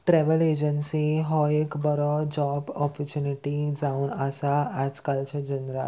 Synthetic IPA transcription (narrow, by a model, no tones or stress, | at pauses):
ʈɾɛʋəled͡ʑənsiɦɔekbəɾɔd͡ʑɔbɔpɔɾt͡ɕjuniʈid͡zaunasaːd͡zkalt͡ɕad͡ʑənɾa